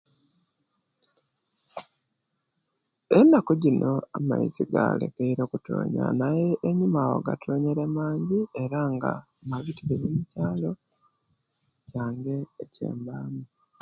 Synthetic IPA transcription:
enːakoɟinʔo̞ama̰ḭziɡa̰lḛkeiɾo̞kuto̰ːɲa̰najeːɲimawo̰ɡa̰tʰoːɲeɾemaːɲɟie̞ɾaŋɡa̰ | maβitiβeβemucaːlo̞ | caːŋɡe̞ːcḛːmbaːmu

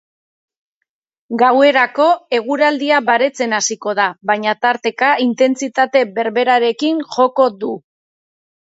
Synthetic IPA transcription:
ɡawe̞ɾako̞e̞ɣ̞uɾald̪iaβaɾe̞t͡se̞nasiko̞ð̞aβajɲat̪aɾt̪e̞kaint̪e̞nt͡sit̪at̪e̞βe̞ɾβe̞ɾaɾe̞kiŋʝo̞ko̞ðu

